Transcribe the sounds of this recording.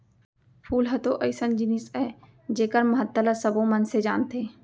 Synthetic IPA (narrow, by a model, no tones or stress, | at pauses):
pʰuːlɦɛt̪oʔəɪsənd͡ʒɪnisɛː | d͡ʒeːkəɾməɦət̪ːələsəbõmənsed͡ʒaːnt̪eː